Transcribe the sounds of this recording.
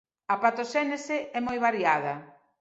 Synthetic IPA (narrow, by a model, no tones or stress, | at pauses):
ɐpat̪oʃɛneseʔɛmojβaɾjað̞ɐ